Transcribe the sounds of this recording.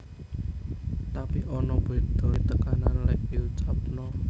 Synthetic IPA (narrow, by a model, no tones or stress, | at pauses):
t̪apiʔɔnɔb̥od̪̥ɔ̤t̪əkananlɛʔpiut͡ʃap̚nɔ